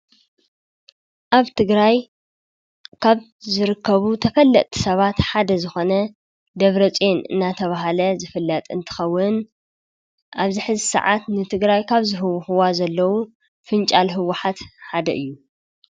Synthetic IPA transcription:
ʔaβt̪ʰɨɡɾaj | kʰaβ | zɨɾɨkʰːɐβut̪ʰɐfɐlːɐʔʼt̪ʰi̥sɐβat̪ħad̪ɐzɨxo̞nɐ | d̪ɐβɾɐt͡sʼenɨ̰nːat̪ʰɐβaɦalɐzɨfɨlːɐt̪ʼɨnt̪ʰɨ̥xɐwːʊn | ʔaβzɨħɨzɨsɐ̰ʕa̰t̪nɨt̪ʰɨɡɾajkʰaβzɨɦɨwːʊxɨwazɐlːɐwu | fɨnt͡ʃʼalɦɨwːʊħat̪ħad̪ɐ̰ʔɨjːu

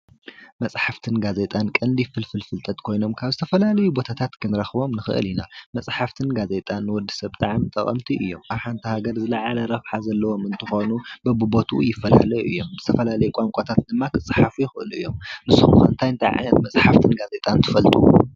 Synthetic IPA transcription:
mɐsʼħaft̪ʰɨnɡaze̞t̪ʼankʼɐnd̪ifɨlfɨlfɨlt̪ʼɐt̪kʰo̞jno̞mkʰaβzɨt̪ʰɐfɐlalɐjubo̞t̪ʰat̪ʰat̪kʰɨnɾɐxbo̞mnɨxɨʔɨ̰linamɐt͡sʼħaft̪ʰɨnɡaze̞t̪ʼanːɨwɔd̪ːisɐβt̪ʼaʕamt̪ʼɐkʼɐ̰mt̪ʰiʔɨjːo̞maβħant̪ʰihaɡɐɾzɨlɐʕalɐɾɐfħazɐlːɐwo̞mɨnt̪ʰɨxo̞nubɐbɨbot̪ʰṵjɪfːɐla̰lɐjuʔɨ̰jːo̞mzɨt̪ʰɐfɐlalɐjukʷʼaŋkʷʼat̪ʰat̪̚d̪ɨmːakʰɨt͡sʼːɨħafujɪxɨʔɨ̰lɨ̰jːo̞mnɨsːɨxxɨnt̪ʰajɨnt̪ʰaʕa̰jnɐt̪mɐt͡sʼħaft̪ʰɨnɡaze̞t̪ʼant̪ʰɨ̥fɐlt̪ʼu

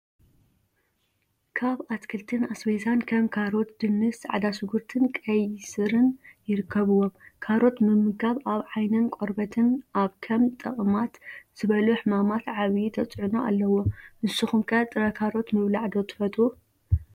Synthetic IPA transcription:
kʰaβat̪kʰɨlt̪ʰɨnasbezankʰɐmkʰaɾo̞t̪d̪̥ɨnːɨsʕa̰d̪asɨɡuɾt̪ʰɨnkʼɐjsɨɾɨnjɪɾɨkʰːɐβɨwo̞mkʰaɾo̞t̪mɨmːɨɡaβaβʕajnɐnkʼoɾbɐt̪ʰɨnʔaβkʰɐmt̪ʼɐχʼmat̪z̥ɨβɐluħɨmamat̪ʕaβit̪ʰɐt͡sʼʕunoʔa̰lːɐwo̞ʔɨsuxumkʰɐat̪ʼɨɾɐkʰaɾo̞t̪mɨβlaʕd̪o̞t̪ʰɨ̥fɐt̪ʼu

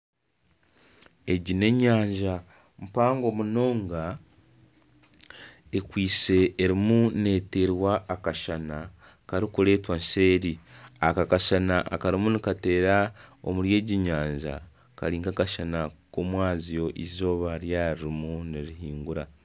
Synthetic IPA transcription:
e̞ɟine̞ɲaːɲʒa | mupaːŋɡo̞muno̞ːŋɡa | ekwiːse̞ːɾimune̞te̞ɾwaːkaʃana | kaɾikuɾe̞ːtwanse̞ːɾiakakaʃanaʔa̰kaɾimunikate̞ːɾao̰muɾje̞ːɟiɲaːɲʒa̰ | ka̰ɾiːŋɡakaʃanakomwaːzijo̞ʔizo̞ːβaɾjaɾiɾimuniɾiɦiːŋɡuɾa

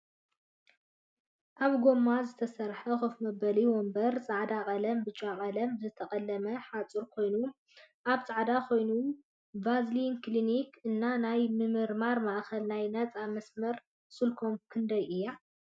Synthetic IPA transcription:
ʔaβɡo̞mːazɨt̪ʰɐsɐɾħɐxofmɐbɐliwombɐɾt͡sʼaʕd̪akʼɐlɐmbɨt͡ʃʼakʼɐlɐmzɨt̪ʰɐχʼɐlːɐmɐħat͡sʼɨɾkʰo̞jnu | ʔaβt͡sʼaʕd̪akʰo̞jnu | vazlinklinikʰɨnːanajmɨmɨɾmaɾmaʔxɐlnajnɐt͡sʼamɐsmɐɾ | sɨlkʰomkʰɨnd̪ɐjʔɨjːa

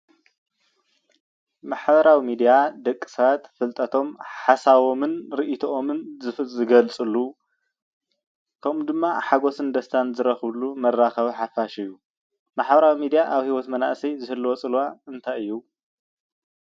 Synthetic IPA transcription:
maħbɐɾawimid̪ijad̪ɐkʼːi̥sɐβat̪fɨlt̪ʼɐt̪ʰo̞mħasaβo̞mɨnɾiʔit̪ʰɐʔomɨnzɨfzɨɡɐlt͡sʼɨlu | kʰɐmd̪ɨmːaħaɡo̞sɨnd̪ɐst̪ʰanzɨɾɐxβlumɐrːaxɐβiħafaʃɨjːu | maħbɐɾawimid̪ijaʔaβhiwot̪mɐna̰ʔsɐjzɨhɨlːwot͡sʼɨlwaɨnt̪ʰajɨjːu

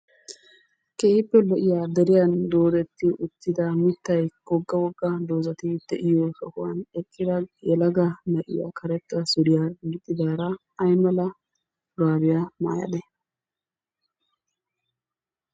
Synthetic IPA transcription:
keːɪpːɛlɔʔɪjad̪ɛɾɪjɐnd̪oːd̪ɛt̪ːɪʔʊt̪ːɪd̪ɐmɪt̪ːɐjɡɔɡːɐwɔɡːɐd̪oːzɐt̪ɪd̪̥ɛʔɪjɔsɔkʊwɐ̰nɛkʼːɪd̪ɐjɛlɐɡɐnɐʔɪ̰ja̰kʰɐɾɛt̪ːɐsʊd̪ɪjamɪt̪ʼːɪd̪aːɾɐ | ɐjmɐlɐ | ʊɾaːbɪjama̰ːjɐ̰d̪ɛ

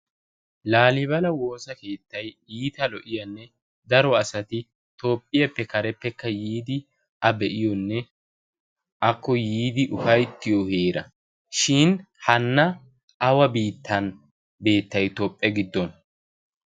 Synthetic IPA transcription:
laːlɪbɐlɐwo̞ːsɐke̞ːt̪ːɐj | iːt̪ɐlɔʔɪjɐnːɛ | d̪ɐɾɔɐsɐt̪ɪ | t̪o̞ːpʼːɪjɐpːɛkɐɾɛpːɛkːɐjiːd̪ɪ | ʔɐbɛʔɪjɔnːɛ | ʔɐkːɔjiːd̪ɪʔʊfɐjt̪ːɪjɔheːɾɐ | ʃɪn | hɐnːɐ | ʔɐwɐbiːt̪ʰːɐn | be̞ːt̪ːɐjt̪ɔpʼːɛɡɪd̪ːɔn

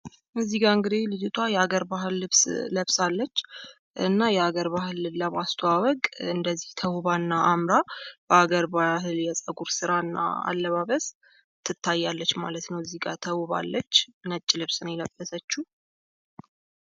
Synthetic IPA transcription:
mɨziɡaɨŋɡɨd̪elɨd͡ʒɪt̪ʰwajɛaɡəɾbaɦɨlːɨβsləβsalːət͡ʃː | ɨ̰nːajɛaɡəɾbahɨlləmast̪ʰowawəkʼɨnd̪əzːiht̪ʰəwuβaɨnːaʔamɾab̥əaɡəɾbahɨljɛsʼəɡuɾsɨɾaɨnːa̰a̰lːəβaβəs | t̪ʰːɨt̪ʰːajːalːət͡ʃːma̰lət̪nəwziɡat̪ʰəwuβa̰lːət͡ʃːnət͡ʃʼːɪlɨβsɨnjɛləb̥ːəsət͡ʃːu

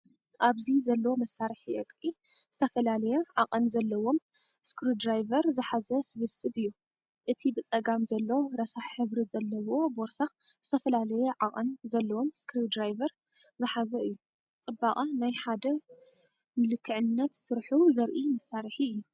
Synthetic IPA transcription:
ʔaβzizɐlːɐwo̞mɐsːaɾħiʔɨt̪ʼkʼi | z̥ɨt̪ʰɐfɐlalɐjeʕaqʼɐnzɐlːɐwo̞m | skʰɾud̪ɾajvɐɾzɨħazɐsɨβɨsɨbɨjːu | ʔɨt̪ʰibɨt͡sʼɐɡamzɐlːɐwoɾɐsaħħɨβɾizɐlːɐwo̞boɾsa | zɨt̪ʰɐfɐlalɐjoʕaqʼɐnzɐlːɐwo̞mskɾid̪ɾajvɐɾ | zɨħazɐɨjːu | t͡sʼɨbaχʼanajħad̪ɐ | mɨlɨkʰːɨʕɨnːɐt̪sɨɾħuzɐɾʔimɐsːaɾħiɨjːu

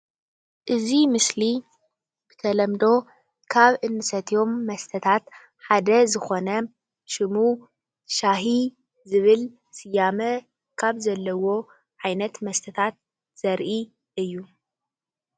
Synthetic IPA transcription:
ʔɨzimɨsli | b̥ɨt̪ʰɐlɐmd̪o̞ | kʰaβʔɨnːɨsɐt̪ʰijo̞mːɐst̪ʰɐt̪ʰat̪ | ħad̪ɐzɨxo̞nɐ | ʃɨmu | ʃaɦi | zɨβɨl | sɨjamɐ | kʰaβzɐlːɐwo̞ | ʕajnɐt̪mɐst̪ʰɐt̪ʰat̪̚ | z̥ɐɾʔi | ʔɨjːu

